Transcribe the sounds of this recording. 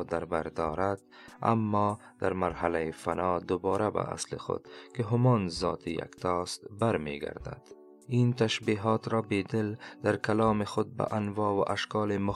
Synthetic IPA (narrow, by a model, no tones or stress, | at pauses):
d̪aɾbaɾd̪ɔɾad̪̚ | a̰mːɔ | d̪̥aɾmaɾhalajifanɔːd̪ʊbɒːɾaba̰ʔa̰slɪ̰xʊ̰d̪̥kɪɦʊmɔnzɒ̰ːt̪ʰija̰kt̪ʰɔst̪baɾmeɡa̰ɾd̪a̰d̪̥ | int̪aʃbiɦɒːt̪ɾɔːbed̪ɪld̪̥aɾkalɑːmɪxʊd̪̚ba̰ʔanvɑːwaʔaʃkɑːlemʊ